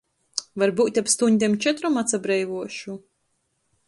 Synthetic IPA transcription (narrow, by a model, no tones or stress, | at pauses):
vaɾbuːt̪ʲapst̪uɲʲd̪ʲɛmt͡ʃɛt̪ɾɔmat̪sabɾɛjvuɔʃu